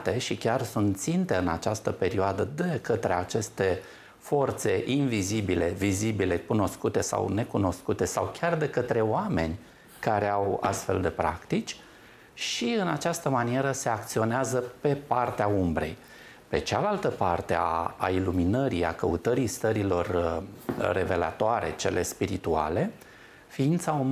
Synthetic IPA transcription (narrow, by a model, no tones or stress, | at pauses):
t̪e̞ʃikʲarsunt̪t̪sint̪e̞ɨnat͡ʃast̪əpe̞ɾioad̪əd̪e̞kət̪ɾe̞at͡ʃe̞st̪e̞ | fo̞rt̪se̞ʔinvizibile̞vizibile̞kuno̞skut̪e̞sa̰wne̞kuno̞skut̪e̞sawkʲard̪e̞kət̪ɾe̞oame̞nʲ | kaɾe̞awa̰st̪fe̞ld̪e̞pɾa̰kt̪it͡ʃʲ | ʃiɨnat͡ʃast̪əmanie̞ɾəse̞ak̚t̪sio̞neazəpe̞part̪eaumbɾe̞̰j | pe̞̰t͡ʃalalt̪əpart̪e̞a̰ːiluminəɾija̰kəṵt̪əɾijst̪əɾilo̞r | re̞ve̞la̰t̪oaɾe̞̰t͡ʃe̞̰lʔe̞spiɾit̪ua̰le̞ | fiint̪saum